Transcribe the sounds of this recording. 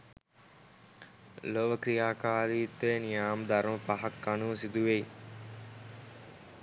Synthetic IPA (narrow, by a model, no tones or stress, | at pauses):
loʋəkɾijaːkaːɾiːt̪ːejnijaːməd̪aɾuməpaɦakːanuːsid̪uʋej